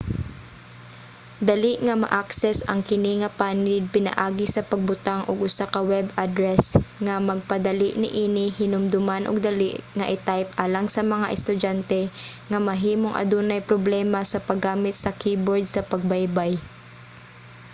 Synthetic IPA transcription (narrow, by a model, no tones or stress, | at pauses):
d̪ɐliʔŋɐmɐ̰ʔaksɛsɐ̰ŋkɪniŋɐpaːnlɪd̪̚pɪnɐ̰ʔaːɡɪsɐpɐɡ̚bʊt̪aŋʔoɡʔʊsakɐwɛbʔad̪ɾɛsŋɐmɐɡ̚pɐd̪ɐliʔnɪ̰ʔiːnɪhɪnʊmd̪ʊmanʔo̰ɡ̚d̪ɐliʔŋɐʔɪt̪ajp̚ʔaːlɐŋsɐmɐŋa̰ʔɛst̪ʊd͡ʒant̪ɛŋɐmɐɦiːmoŋʔɐ̰d̪unɐjpɾoblɛmɐsɐpɐɡːaːmɪt̪̚sɐkiːboɹd̪̚sɐpɐɡ̚bajbaj